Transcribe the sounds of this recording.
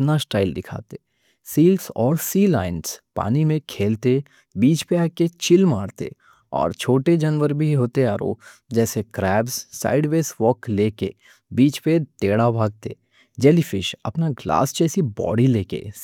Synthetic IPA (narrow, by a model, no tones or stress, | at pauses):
pnasʈaːɪld̪ɪkʰa̰ːt̪e | siːlsɔːɾsiːla̰ːɪnspa̰ːnimẽkʰeːlt̪e | biːt͡ʃpeaːket͡ʃɪlmaːɽt̪ḛ | ɔ̰ːɾt͡ʃʰoːʈed͡ʒɐnʋəɾbʱiɦoːt̪eaːɾo̰ːd͡ʒɛːsekɾɛːbzːa̰ːɪɖʋeːsʋɔːkleːkḛ | biːt͡ʃpet̪eːɽabʱaːɡ̚t̪ḛ | d͡ʒɛːlifɪʃɐ̰pnaɡla̰ːsd͡ʒɛːsibɔ̰ːɖileːkḛ